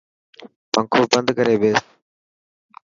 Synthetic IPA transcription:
pəŋkʰoːbənd̪kəɾeːɓeːs

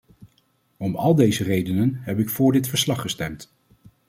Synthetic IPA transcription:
ɔmɑlˠdejzərejdənənɦɛpɪkfʊːɹdɪtfəɹslɑχəstɛmt

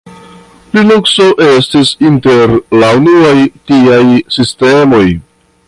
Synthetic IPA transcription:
plilukso̞ʔe̞stisinte̞ɾlaunuajtiajsiste̞mo̞j

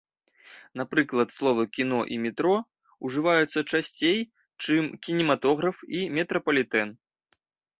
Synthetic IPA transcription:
napɾɨklˠɐt̪slˠɔvɐkʲin̪ɔʔimʲɛt̪ɾɔ | uʐɨvajut̪sːɐt͡ʂasʲt͡sʲej | t͡ʂɨmkʲinʲɛmat̪ɔɣɾɐfimʲɛt̪ɾɐpɐlʲit̪ɛn

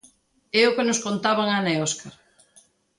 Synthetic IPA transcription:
eʊkenʊskont̪aβaŋanaeoskaɾ

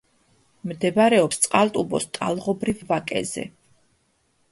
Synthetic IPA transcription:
md̪ɛbaɾɛɔpst̪sʼqʼalt̪ʼubɔ̰st̪ʼa̰lˠʁɔbɾivːakʼɛ̰zɛ̰

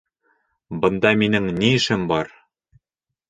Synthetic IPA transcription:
bɤ̆nd̪ɑminɘŋniɘ̆ʃɘmbɒɾ

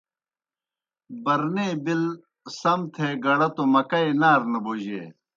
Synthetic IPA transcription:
bɐɾneːbil | sɐmt̪ʰeːɡɐɽɐt̪omɐkɐinaːɾnɐboːʑḛː

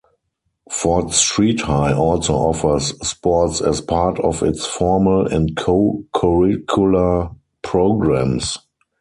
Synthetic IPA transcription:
fɔtstɹiːthaɪʔɔlsoʊʔɔfə˞sːpɔtsɛspʰaːtʰɔfɪ̰tsfɔməlɛ̃ntkʰokʰɔɹɪkʰjula | pʰɹoʊɡɹæ̃ms

